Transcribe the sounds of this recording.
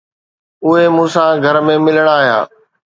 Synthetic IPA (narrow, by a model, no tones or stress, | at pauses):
ʊɦemũːsãɡʱɐɾmẽmɪləɽ̃aːɦija̰ː